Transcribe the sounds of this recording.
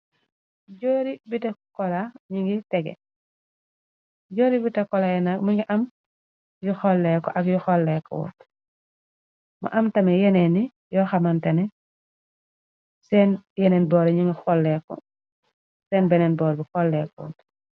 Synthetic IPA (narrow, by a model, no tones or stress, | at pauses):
ɟoːɾibitekɔlaɲiŋɡitɛɡɛ̰ | ɟoːɾibitɐkɔlajɛnakmiŋɡiʔɐm | juxɔlːɛkɔʔɐkjuxɔlːɛkɔ̰wɔ̰t | ma̰ʔɐmtɐmɛjɛnɛni | jɔxamantɐnɛ | sɛnjɛnɛnbɔːɾɛɲiŋɡixɔlːɛkɔ̰ | sɛːnbɛnɛnbɔːɾbixɔlːɛkɔwɔ̰t